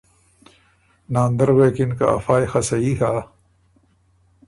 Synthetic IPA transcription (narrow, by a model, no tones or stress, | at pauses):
nãːnd̪ɐɾweːkinkɐ̰ɐ̰faːjxɐsɐiɦaː